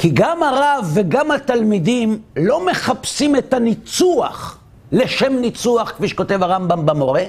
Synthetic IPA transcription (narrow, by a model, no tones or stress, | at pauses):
kiɡamaʁavːeɡamhat̪almidimlo̞me̞χapsimet̪anit͡suaχ | le̞ʃe̞mnit͡suaχkfiʃe̥ko̞t̪e̞vhaʁambambamo̞ʁe